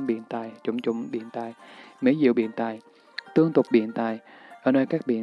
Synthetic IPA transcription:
ŋɓḭ˧˨ənt̪a̰ː˧˩jt͡ɕʊ˧˩ŋ͡mt͡ɕʊ̰˧˨ŋ͡mɓḭ˧˨ənt̪a̰ː˧˨jmi˨˦jzḭ˧˨əwɓḭ˧˨ənt̪a̰ː˧˨j | t̪ɨ˧əŋt̪ʊ˨˩k͡p̚ɓḭ˧˨ənt̪a̰ː˧˨j | ʔʔəː˧˩nəː˧jkaː˦˥k̚ɓḭ˧˨ə

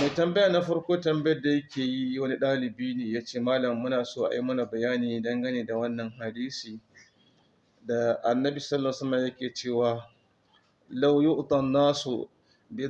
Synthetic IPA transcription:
ma˨jtɐ˨mbɐ˦jaː˨na˦ɸɐ˦ɽkʷoː˦tɐ˨mbɐ˦jɐ˦rda˨jɐ˦kʲeː˨ji˦wɐ˦ni˦ɗaː˦lɪ˨biː˦neː˨jaː˦t͡ʃeː˦˨maː˦lɐ˨mːʊ˦naː˨soː˦ʔa̰˨ji˦mɐ˦na˨bɐ˨jaː˦niː˨dɐ˦ŋɡɐ˦neː˨da˨wɐ˦nːɐ˨ŋɦa˨diː˦siː˨ | da˨ʔa˨nːɐ˦bi˨sɐ˦lːsɐ˦mːɐ˨jɐ˦kʲeː˨t͡ʃeː˦˨waː˨ | la˦wjʊ˦ʔt̪ɐ˨nnaː˦so̰˨ | de˦

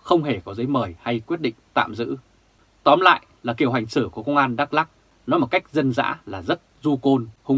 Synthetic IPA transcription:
xə˧wŋ͡mɦe˧˩kɔ˨˦zəː˨˦jməː˨˩jha˧jkwi˦˥ət̚ɗḭ̈˧˨ŋ̟t̪a̰ː˧˨mzɨ̰˧˥ | t̪ɔ˨˦mla̰ː˧˨jlaː˨˩ki˧˩əwɦa˨˩jŋ̟sɨ˧˩ku˧˩əkə˧wŋ͡mʔaː˧nɗaː˦˥k̚laː˦˥k̚ | nɔ˨˦mo˨˩t̚ka˦˥jk̟̚zə˧nza̰ː˧˥laː˨˩zə˦˥t̚zu˧ko˧nhʊ˧ŋ͡m

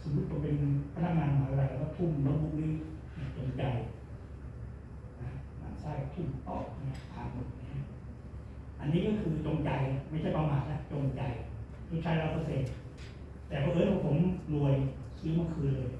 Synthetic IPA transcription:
so˨˦mu˦˥t̪̚ko˧pe˧npʰa˧˥na˦˥k̚ŋaː˧nmɔː˨˦jɾa˧˩lɛː˧˩kɔː˧˥˩t̪ʰu˥˩mlɔ˦˥mu˦˥k̚niː˦˥˩na˧˩t͡ɕo˧ŋt͡ɕa˧j | na˦˧kʰa˦˥ma̰ː˧˩saː˥˩kt̪ʰu˥˩mʔɔ̰ː˨˩k̚a˧˥˩p̪ʰa̰ː˨˩no˨˩n̚na˧˩kʰa˦˥ | ʔa˧nːiː˦˥kɔː˥˩kʰɯː˧t͡ɕo˧ŋt͡ɕa˧ja˧˩ma˥˩jt͡ɕʰa˥˩jpa˧maː˨˧n̚la˦˥ʔt͡ɕo˧ŋt͡ɕa˧jʰ | u˧˥˩t͡ɕʰaː˦˥jɾa˧wpʰa˧˥seː˨˩t̪̚ | t̪ɛː˨˩kʰɔː˧ʔːjpʰɔː˧˩pʰo˩˦mlu˧˩əj | kʰi˦˥˦ma˧˥˩kʰɯː˧jlɤː˧j

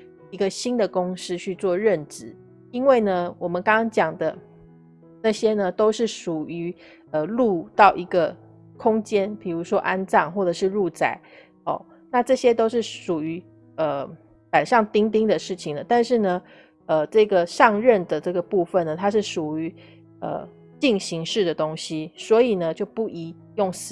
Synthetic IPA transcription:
i˧˥ɡə˧ɕi˥nd̪ə˨kʊ˥ŋs̩˥t͡ɕʰy˥˧t͡swɔ˥˧ɻə˥˩nʈ͡ʂɻ̩˨˩ | i˥nwe˥˩ɪnə˩wɔ˨˩mə˦nkɑ˥ŋɑ˥ŋt͡ɕjɑ˨˩ŋd̪ə˦ | na˥˩ɕjɛ˥nə˨t̪o˥ʊʂɻ̩˥˩ʂu˨˩y˧˥ | ə˧lu˥˧t̪ɑ˥˩ʊʔi˧˥ɡə˧ | kʰʊ˥ŋt͡ɕjɛ˥npi˨˩ɻu˧˥ʂwɔ˥ʔa˥nt͡sɑ˥˩ŋxwɔ˥˩ʈ͡ʂɤ˨˩ʂɻ̩˥˧lu˥˧t͡sa˥˩ɪ | ɔ̰˥˩ | na˥˧ʈ͡ʂɤ˥˩ɕjɛ˥t̪o˥ʊʂɻ̩˥˩ʂu˨˩y˧˥ | ə˩ | pa˨˩nʂɑ˥˩ŋt̪i˥ŋt̪̬i˥ŋd̪ə˨ʂɻ̩˥˩t͡ɕʰi˨˩ŋd̪ə˩t̪a˥˧nʂɻ̩˥˩nə˩ | ə˧ʈ͡ʂɤ˥˩ɡə˩ʂɑ˥˧ŋɻə˥˩nd̪ə˩ʈ͡ʂɤ˥˩ɡə˩pu˥˧fə˨nə˩t̪ʰa˥ʂ̬ɻ̩˥˩ʂu˨˩y˧˦ | ə̰˧ | t͡ɕi˥˩ŋɕi˧˥ŋʂɻ̩˥˩d̪ə˩t̪o˥ŋɕi˥swɔ˧˥i˨˩nə˦t͡ɕjo˥˧ʊpu˥˩i˧˥ | jʊ˥˩ŋs

